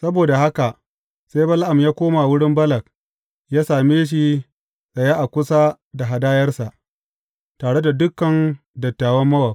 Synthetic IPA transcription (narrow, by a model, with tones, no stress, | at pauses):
sɐ˦boː˨da˨ha˦ka˨ʔ | sa˦jbɐ˦lʔa˨mjaː˦kʷoː˦ma˨wʊ˦ɽɪ˦mbɐ˦lɐ˨k̚ | jaː˦saː˨meː˦ʃ̬i˦ | sʼɐ˨jaː˦ʔa˨kʷʊ˦sa˦ | da˨ɦa˨daː˦jɐ˦rsa˨ʔ | taː˨ɽe˦da˨dʊ˦kːɐ˨n | dɐ˨tːaː˨wɐ˦mːɐ˦wɐ˨